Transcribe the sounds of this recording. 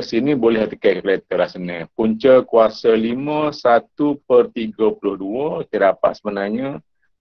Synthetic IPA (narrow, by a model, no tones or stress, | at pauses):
əsinibolɛhat̪ikakəlɛt̪əlasənəpuɲt͡ʃəkuasəliməsat̪up̚ərt̪iɡəpulʊhduət̪əɾapa̰ʔsəbənaɲə